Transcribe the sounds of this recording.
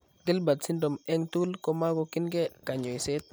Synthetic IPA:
ɡɪ˦lba˨tsi˦ndɔ˨mɛ˦ŋtu˦lkɔ˦ma˦ɡɔ˨kɪ˦nɡɛ˦ka˨ɲɔ˨i˨se˦t̪̚

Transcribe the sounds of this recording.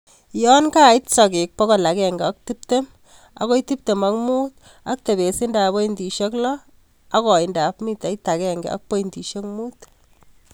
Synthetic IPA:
jɔ˦nka˦i˦tsɔ˨kɪ˨k̚pɔ˦ko˨la˨kɛ˨ŋɡɛɔ˦k̚ti˦p̚te˦m | a̰˦ko˦iti˦p̚te˨ma˨kmu˦t̪̚ | a˦k̚te˨be˨si˦nda˨bo˦indi˨ʃe˦klɔ˦ | a˦kɔ˨inda˨pmi˦ta˨ita˨kɛŋɡɛ̰a̰˦k̚po˦indi˨ʃe˦kmu˦t

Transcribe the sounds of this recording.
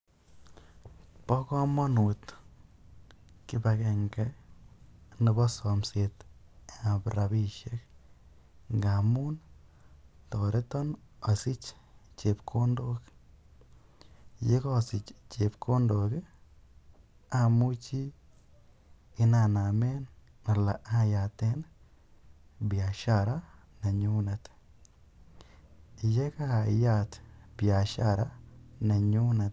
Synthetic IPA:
pɔ˦kɔ˦mɔ˦nu˨t | kibakɛ˨ŋɡa˦ | nɪ˧bɔ˦sɔmse˨t̪a˨bɾaβi˦ʃek | ŋɡamu˦n | toɾe˦tɔ˦na˨si˦t͡ʃ | t͡ʃepkʰo˦ndo˦k | je˦ko˦sɪ˨t͡ʃt͡ʃe˨pkʰo˦ndo˨ke˦ | a˦˨mu˦t͡ʃi˦ | ɪ˦na˨na˨me˦n | a˨la˨ʔa˦˨ja˨t̪e˦n | bja˨ʃa˦ɾa˦ | na˨ɲu˦na˨t̪ | je˦ka˦˨ja˦t̪b̥ja˨ʃa˦ɾa˦na˨ɲu˦na˨t

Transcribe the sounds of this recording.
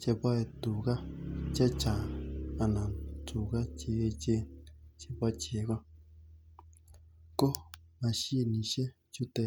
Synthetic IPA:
t͡ʃe˧pa˦e˧t̪u˨ka˦t͡ʃe˦t͡ʃã˨a˧nã˨t͡su˨ka˦t͡ʃe˧e˧t͡ʃe˦t͡ʃe˧pa˦˧t͡ʃe˨˦ka˦ | ko˦ | mã˧ʃi˦e˧nĩ˧˨ʃe˦ | t͡ʃu˦t̪e˧

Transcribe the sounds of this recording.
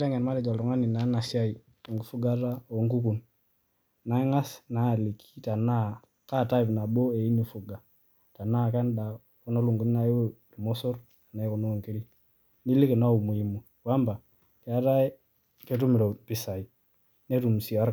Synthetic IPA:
ta˦ŋɡɛ˨nma˦nɛ˨d͡ʒa˨lɾɔ˨ŋa˦ni˨na˨˦na˨sja˦i˨ | ŋɡu˨˦fu˦ɡa˦ta˦o˨ŋɡu˦ku˨n | na˨˦ŋa˦sna˨˦˨li˨kʰi̥˦ta˨na˦˨ | ka˦˨ta˦i˨pna˨bo˦e˨i˦ni˨fu˨ɡa˨ | ta˨na˦kɛ˦nda˨ | ku˦no˦lu˨ŋɡu˨n˦na˨i˦wɾu˨mɔ˦sɔ˦ɾ | a˨na˨i˦ku˨˦no˦o˨ŋke˦li˦ | ni˦li˦ke˨na˦u˨mu˨i˨mu˨ | wa˦mba˨ | kɛ˨a˦ta˦ | ke˨˦tu˦mɪ˨ɾo˨pi˦sa˨i˨ | ne˦tu˨m˨si˨a˦ɾ

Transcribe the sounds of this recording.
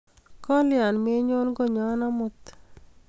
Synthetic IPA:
kɔ˦lɪa˨nme˦ɲo˦lɡo˦˨ɲɔ˦nɔ˦mʊ˦t̪

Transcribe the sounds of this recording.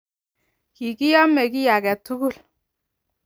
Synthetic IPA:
ki˨kɪ˦jɔ˦mɛ˨ki˦ja˨kɛ˨tːu˦ɡu˦˨l

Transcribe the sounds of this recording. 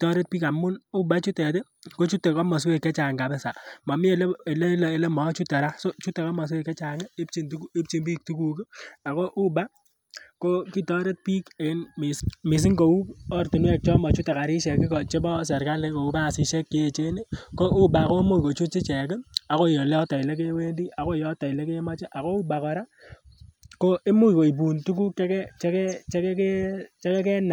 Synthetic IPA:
ki˨tɔ˦ɾe˦t̚piː˦ka˨mʊ˦nu˦ba˦t͡ʃu˦tɛ˨te˦ko˦t͡ʃu˦tːe˨kɔ˦mɔ˨s̬we˦˨kːɛ˦t͡ʃa˨ŋɡa˨bɛ˦sa˨mɔ˨mɪ˦e˨le˦e˨le˦le˨le˦mɔ˨˦t͡ʃu˦tːe˨ɾa˦so˦t͡ʃu˦te˨kɔ˦mɔ˨s̬we˦kːɛ˦t͡ʃa˨ŋe˦e˦pt͡ʃi˨ntu˦ke˦pt͡ʃi˦mbi˦k̚tu˦ku˨kɪ˦a˨ko˦ʔu˦ba˦ | ko˦ki˦tɔ˦ɾe˦t̚pi˦ke˨ɪ˦nmɪ˨smɪ˨s̬ɪ˦ŋɡo˨u˦pɔ˦rtu˨nwɛ˦˨k̚t͡ʃɔ˦mɔ˨t͡ʃu˦ta˨ka˨ɾi˦ʃɛ˨kɪ˦kɔ˨t͡ʃe˦bɔ˦s̬ɛ˨ɾka˦le˦ko˨u˦pa˦˨si˨ʃe˦kːe˦e˨t͡ʃe˦ne˦ko˦ʔu˦ba˨ko˦mu˦ko˨t͡ʃu˦t͡ʃi˦t͡ʃɛ˨ka˨ko˦˨jo˨le˦ɔ˦ta˨ɪ˨le˦k̬e˦we˦ndi˦a˨ko˦˨jɔ˦ta˨i˨le˦ke˦ma˦t͡ʃe˦ʔa˨ko˦u˦ba˨kɔ˨ɾa˦ | ko˦ʔe˦mu˦˨ko˨i˨p̬u˨ntu˦ku˦ke˦kɛ˦t͡ʃɛ˦kɛ˦t͡ʃe˦kɛ˦ke˦t͡ʃɛ˦kɛ˦kɛ˦na˨

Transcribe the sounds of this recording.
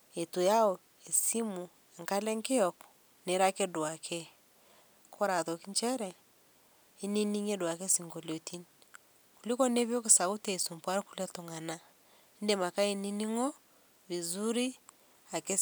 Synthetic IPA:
e˨tu˨ja˦ɔ˨ | e˨si˦mu˨ | ɛ˨ŋka˦lɛ˦ŋke˦ɔk | ne˨ɾa˦ke˦dwa˨kʰɛ˦ | kʰɔ˦ɾa˨tɔ˨ki˦nt͡ʃɛ˦ɾɛ˨ | i˦ni˦ni˦ŋe˦dwa˨kɛ˦si˨ŋɡɔ˨lo˨ti˦n | ku˨li˦kɔ˦ne˦βjɔ˦ke˨sa˨ɣu˦tɛ˨su˨mpwa˦ɾku˦lɛ˦tɔ˨ŋa˨na˦ | nde˨ma˨ka˦e˦ni˦ni˦ŋɔ˦ | βi˨zu˦ɾi˦ | a˨ke˦

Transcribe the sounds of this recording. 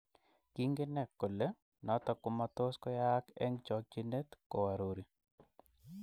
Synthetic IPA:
ki˦ŋɡe˦nɛ˨kːo˨le˦ | nɔ˨˦t̪ɔ˨kʊ˦ma˨t̪o˦skɔ˦ja˦kɛ̰˦ŋt͡ʃɔ˨k̚d͡ʒi˦ne˦t̪ko˨wa˨ɾo˨ɾi˨

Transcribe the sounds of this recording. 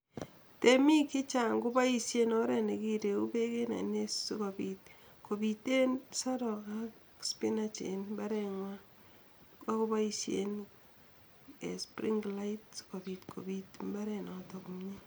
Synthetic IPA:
temi˦ki˦t͡ʃa˨ŋɡʊ˦ba˦i˦sje˦nɔ˦ɾe˨ne˨ki˦ɾe˨u˦pe˦ke˦na̰˨nesu˦ko˨pi˨t̚ | ko˨bite˦nsa˦ɾɔ˨ka˦k | spi˦nat͡ʃḛ˨nmba˦ɾɛŋwa˦ | a˦ko˦ba˦isjḛn | ḛ˨spɾi˦ŋɡla˦it̚sko˨pi˨tkʰo̰˨bi˨tmba˦ɾɛ˨nɔtɔkumɲe˦

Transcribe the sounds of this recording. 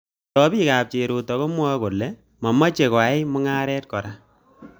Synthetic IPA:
tɔ˨pi˦ka˨p̚t͡ʃe˨ɾu˨tɔ˨ko˦mwa˦ko˨lːɛ˦ | mɔ˨ma˦t͡ʃe˨kwa˨e˦mʊ˦ŋaː˦ɾɛ˦t̚kɔ˨ɾa˦

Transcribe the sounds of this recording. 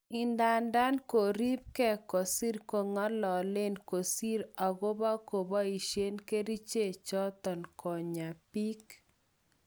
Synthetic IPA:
ɪ˨nda˨nda˦nko˨ɾi˦p̚kɛ˦˨kɔ˨si˦ɾko˨ŋa˦lɔ˨le˦nko˨si˦ɾa˨ɣo˦ba˦ko˨ba˦i˨ʃje˦nke˦ɾi˦t͡ʃe˦t͡ʃɔ˦t̪ɔ˨nkʰɔ˨ɲa˨pi˦k

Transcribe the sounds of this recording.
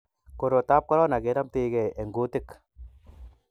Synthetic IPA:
ko˨ɾo˨ta˦p̚kɔ˦ɾɔ˦na˨ke˨˦ɾa˦mte˦kɛ˨ʔe˨ŋɡo˦tɪ˦k

